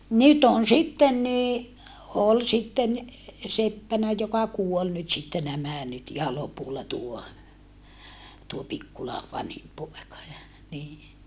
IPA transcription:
nyt on sitːen ni ol sitːen sepːænæ jokɑ kuol nyt sitːe næmæ nyt ihɑ lopulːɑ tuo tuo pikːulɑ ʋɑnhim poekɑ jɑ niː

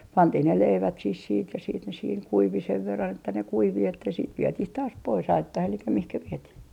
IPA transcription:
pɑntih ne leiʋæt sih siːt jɑ siːt ne siːŋ kuiʋi seʋ ʋerːɑn etːæ ne kuiʋi etːæ siːt ʋietih tɑːs pois ɑitːɑh elikːæ mihkæ ʋietih

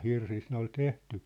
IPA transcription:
hirsist ne ol tehty

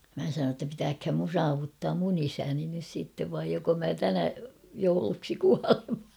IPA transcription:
mæ sɑnoː tːɑ pitæːkhæm mun sɑːʋutːɑːm mun isæni nys siˑtːeʋ ʋɑij joko mæ tænæ jouluksi kuɑlen̞

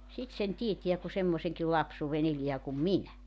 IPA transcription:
sit sen tietiæ ku semːoseŋkil lɑpsuːʋen eliæ kum minæ

